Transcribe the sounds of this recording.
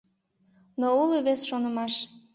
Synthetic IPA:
nouliβesʃonəmɑʃ

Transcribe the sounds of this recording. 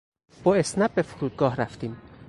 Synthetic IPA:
b̥ɒːesnæb̚befuɾuːd̪̚ɡɒːhɾæft̪iːm

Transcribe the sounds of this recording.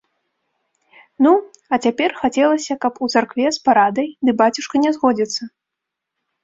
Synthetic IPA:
nu | ɐt͡sʲapʲɛrxat͡sʲɛlˠɐsʲɐkɐput̪sarkvʲɛspaɾad̪ɐjd̪ɨbat͡sʲuʂkɐnʲɛzɣɔd͡zʲit̪sːɐ

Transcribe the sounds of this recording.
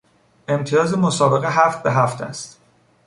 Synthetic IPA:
e̞mt̪ʰijɒːzemo̞sɒːbe̞ɣe̞ɦæft̪̚be̞ɦæft̪ʰæ̰st̪

